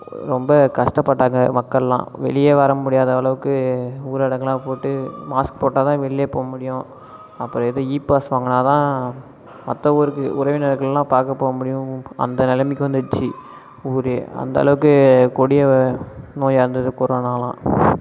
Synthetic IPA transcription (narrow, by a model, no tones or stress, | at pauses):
ɾɔmbɐkɐʂʈɐpːɐʈːaːŋɡɐmɐkːɐɭlã̰ːʋɛ̰ɭɪjeːʋɐɾɐmʊɽɪjaːðɐɐɭɐʋɯkːɯuːɾɐɽɐŋɡɐlãːpoːʈːɯmaːsk̚poːʈːaːt̪ãːʋɛɭɪjeːpoːɐmʊɽɪjʊ̃ | ɐpːɯɾɔ̃ɛðɯiːpːaːsʋaːŋɡɐnaːt̪ãː | mɐt̪ːɐɔɾɯkːɯʔʊɾɐʋɪnɐɾɐkːɐɭlãːpaːɾkɐpːoːɐmʊɽɪjʊ̃ɐ̰nd̪ɐnɛlɐmɪkːɯʋɐnd̪ɯt͡ʃːi | uːɾeɐ̰nd̪ɐɐ̰lɐʋɯkːɯkɔɽɪjɐnoːjaːɾɯnd̪ɐðɯkɔɾoːnaːlã̰ː